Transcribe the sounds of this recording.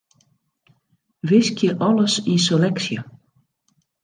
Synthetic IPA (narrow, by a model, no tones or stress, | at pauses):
vɪscɪʔɔlasisɔlɛksja